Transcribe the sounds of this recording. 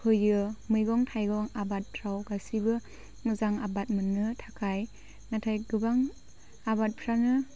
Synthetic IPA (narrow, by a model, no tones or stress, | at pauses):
kʰɯjɯmɯjɡɔŋtʰajɡɔŋabat̚pʰɾawɡasibɯ | muzaŋabat̚mɯnːɯtʰakʰaj | natʰajɡɯbaŋ | abat̚pʰɾanɯ